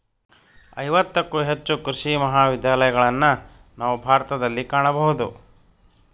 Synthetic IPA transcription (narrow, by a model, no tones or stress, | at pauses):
ɐjʋɐt̪ːɐkːuɦet͡ʃːukɾiʃimɐɦaːʋid̪jaːlɐjɐɡɐɭɐnːɐ | naːʋubʱaːɾɐt̪ɐd̪ɐlːikaːɳɐbɐɦud̪u